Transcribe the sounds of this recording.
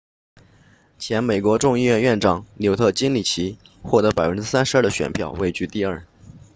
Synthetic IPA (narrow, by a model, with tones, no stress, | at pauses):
t͡ɕʰjɛ˧˥nme˨˩ɪkwɔ˧˥ʈ͡ʂʊ˥˧ŋi˥˧ɥɛ˥˧nɥɛ˥˩nʈ͡ʂɑ˨˩˦ŋljo˧˥ʊt̪ʰɤ˥˩t͡ɕi˥ŋli˨˩t͡ɕʰi˧˥ | xwɔ˥˩t̪ɤ˧˥pa˨˩ɪfə˦nʈ͡ʂɻ̩˥sa˥nʂ̩˧˥˩d̪ə˩ɕɥɛ̰˨˩npʰjɑ˥˧ʊwe˥˧ɪt͡ɕy˥˧t̪i˥˧ə˞˥˩